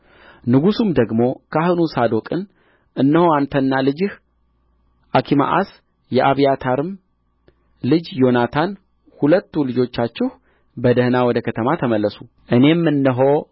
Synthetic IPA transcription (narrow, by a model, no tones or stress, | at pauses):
nɨɡusumd̪əɡmo̞kʰaɦɨnusad̪o̞kʼɨn | ʔɨnːəho̞ant̪ʰənːalɨd͡ʒɨh | ʔakʰima̰ʔa̰s | jɛʔaβijat̪ʰaɾɨm | lɨd͡ʒjo̞nat̪ʰan | hulət̪ːulɨd͡ʒo̞t͡ʃːat͡ʃːɪh | bəd̪əhnawɔd̪əkʰət̪ʰəmat̪ʰəməlːəsu | ʔɨne̞mːɨnːɨɦo̞